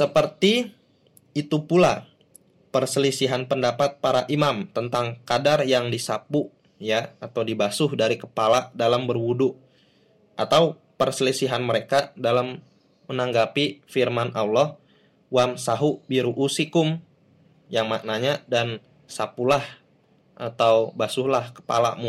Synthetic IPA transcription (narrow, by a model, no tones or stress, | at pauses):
səpərt̪i | it̪upula | pərsəlisiɦanpəndapat̪̚paɾaʔimamt̪ənt̪aŋkadarjaŋdisapu | jaːt̪awdibasʊhdaɾikəpaladalambərwuduʔ | ʔat̪aw | pərsəlisiɦanməɾekadalamː | ənaŋɡapifirmanʔawlɔh | wamsaɦubiɾuʔusikʊm | jaŋmaknaɲadan | sapulah | ʔat̪awbasʊhlahkə̥pa̰la̰mu